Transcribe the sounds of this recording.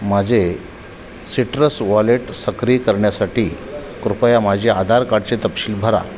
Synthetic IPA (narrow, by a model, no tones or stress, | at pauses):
mad͡ʑʱe | siʈɾəsʋaleʈsəkɾiːkəɾɳjasaʈiː | kɾupəjamad͡ʑʱead̪ʱaɾkaɽt͡set̪əpɕiːlbʱəɾa̰